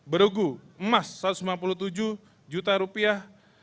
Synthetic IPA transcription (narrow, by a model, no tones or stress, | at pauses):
bəɾuɡuəmasːat̪usmanpulut̪ud͡ʒuh | d͡ʒut̪aɾupiah